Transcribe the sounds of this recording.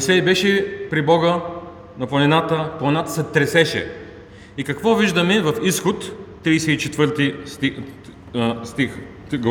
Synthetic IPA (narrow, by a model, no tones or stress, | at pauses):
isɛibɛʃɛpɾibɔɡə | nɐplˠɐnɛnat̪əplˠɐnʲnat̪ə̥sɛt̪ɾɛsɛʃɛ̰ | ikɐkvɔviʒd̪ɐmɛvɐfisxot̪ː | ɾiːsɛit͡ʃɛt̪vɤɾt̪it̪i | st̪ix | ɡ